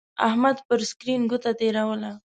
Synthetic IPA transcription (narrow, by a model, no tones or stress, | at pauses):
a̰hmad̪pəɾskɾinɡut̪at̪eɾawəla